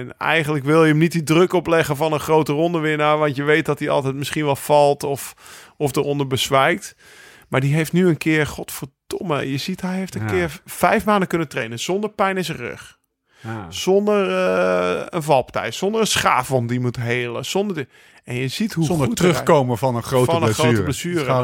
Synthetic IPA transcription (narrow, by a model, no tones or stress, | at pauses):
ɛnɛ̰jɣəndləkʋɪlˠjəəmnit̚didrøkɔplɛɣəfɔnənχrowtərɔndəʋɪnaʋɑntjəʋeːt̚dɔt̚iɔ̰lˠtɛjtmɪsχinʋɛlˠfɔlˠtɔfɔfdərondəɹbəsʋɛjk̚t | maːrdiɦeftnyənkʰɪərxɔtfəɹd̥oməjəzitɦɛjɦeftənkɪəɹfɛjfmaːndəkønəntreːnənz̥ondəɹpɛjnɪsərø̰x | z̥ondərəənvɑlˠptɛ̰jtsondərənsχa̰ːvɔmdimutɦeːlˠəz̥ondə | ɛnjəzitɦutrøxkoːməfɔnəronərowtəbləsyːrə